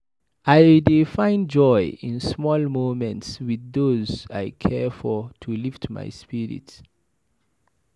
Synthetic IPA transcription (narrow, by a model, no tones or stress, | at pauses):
ajdefãɪ̃nd͡ʒɔjĩnsmɔlmõmɛ̃ntswiðoza̰jkʰɛfɔtʰuliftma̰jspiɹḭts